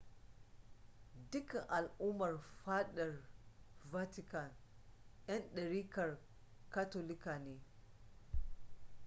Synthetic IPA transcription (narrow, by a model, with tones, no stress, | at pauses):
dʊ˦kɐ˨ŋʔa˨lʔu˦mɐ˨rɸa˦ɗɐ˨rva˦tɪ˦ka˨nʔjɐ˦nɗɐ˨ɽiː˦kɐ˨r | ka˦to˦lɪ˦kaː˨neː˦